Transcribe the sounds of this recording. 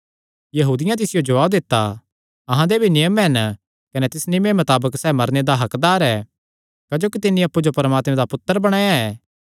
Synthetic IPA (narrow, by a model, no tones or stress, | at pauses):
jɐɦuːd̪ɪjãt̪̬ɪsɪjod͡ʒɐʋaːb̚d̪ɪt̪ːa | ɐɦãd̪ebʱinejəmɛn | kɐnet̪ɪsnɪmemɐt̪aːbəksɛːmɐɾned̪aɦɐkd̪aːɾɛː | kɐd͡ʒoːkit̪ɪnːĩɐpːud͡ʒopɐɾmaːt̪mẽd̪apʊt̪ːəɾbɐɽ̃aːjaɛː